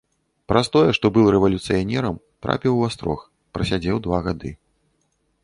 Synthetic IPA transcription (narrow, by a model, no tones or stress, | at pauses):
pɾast̪ɔjɛʂt̪ɔbɨlˠɾɛvɐlʲut̪sɨjanʲɛɾɐm | t̪ɾa̰pʲiwast̪ɾɔ̰x | pɾɐsʲad͡zʲɛwd̪vaɣad̪ɨ